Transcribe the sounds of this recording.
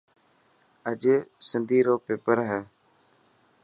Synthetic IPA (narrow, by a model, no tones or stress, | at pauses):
əʄsɪnd̪ʱiːɾoːpeːpəɾɦɛː